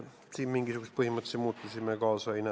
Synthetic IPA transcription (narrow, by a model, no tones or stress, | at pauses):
siːmmiŋɡ̥isukust̪̚pɯhimːɑt̪simuːt̪ːusiːmekɑːsoinæ